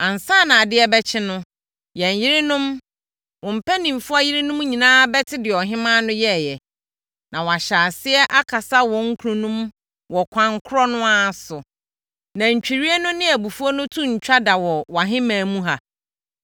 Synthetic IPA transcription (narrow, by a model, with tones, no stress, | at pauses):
ã˨n˨saː˦˨nã˨a˨dɪ˦ɛ˦bɛ˦t͡ɕʰɪ˦nʊ̃˦ | jɛ̃˨ɲ˨jɪ˦ɾɪ˦nʊ̃˦m | wɔ̃˨m̩˨pʰæ˦nĩ˨mfʊ˦a˦jɪ˦ɾɪ˦nʊ̃˦m˦ɲĩ˨nãː˦bɛ˦tʰɪ˦dɪ˨ɔ˨ɦɪ̃˦mã˦nʊ̃˦jɛ˦˨jɛ˨ | nʔã˨wɔ˨a˨ɕaː˨sɪ˦ɛ˦ʔa˦kʰa˨sa˦wɔ̃˨ŋ̩˦kʰu˨ɾũ˦nũ˦m | wɔ˨kʷʰã˨ŋkʰʊ˦ɾɔ˦nʊ̃˦a˦˨sʊ˨ | nã˨ɲ̩˨t͡ɕᶣi˨ɾi˦ɛ˦nʊ̃˦nɪ̃˦æ˨bu˨fu˦ɔ˦nʊ̃˦tʰũ˦ɲ̩˨t͡ɕᶣa˦da˨wɔ˨wa˨ɦɪ̃˦mãː˨mũ˦ɦa˨